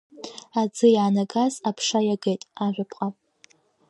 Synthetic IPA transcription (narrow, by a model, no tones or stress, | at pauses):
ad͡zɨjʕanaɡazapʰʂajaɡejtʼaʒᶣʷapʼqʼapʼ